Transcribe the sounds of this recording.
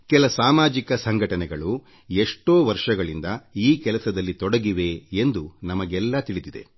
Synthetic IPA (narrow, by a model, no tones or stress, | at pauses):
kɛlɐsaːmaːd͡ʒikɐsɐŋɡʱɐʈɐnɛɡɐɭu | eʂʈo̞ːʋɐɾʂɐɡɐɭind̪ɐiːkɛlɐsɐd̪ɐlːit̪ɔɽɐɡiʋe̞end̪unɐmɐɡɛlːɐt̪iɭid̪id̪e̞̰